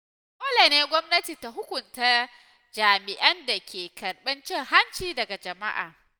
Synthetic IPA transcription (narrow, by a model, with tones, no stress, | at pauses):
koː˦le˨neː˦ɡʷɔ˦mnɐ˦tiː˨ta˨ɦʊ˦kʷʊ˨nta˦ | d͡ʒaː˨mɪ˨ʔɐ˦nda˨kʲʰeː˨kɐ˨rɓɐ˦nt͡ʃɪ˦ŋha˦nt͡ʃiː˦dɐ˨ɡa˨d͡ʒɐ˨ma̰˦ʔa̰ː˨